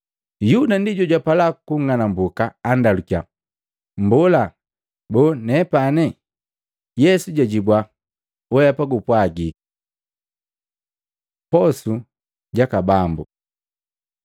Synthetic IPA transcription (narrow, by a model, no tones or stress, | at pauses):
judandiɟɔɟwapalakuŋanambukaːndalukia | mbɔla | bɔnɛpanɛ | jɛsuɟaɟibwa | wɛjapaɡupwaɡik | pɔsu | ɟakabambu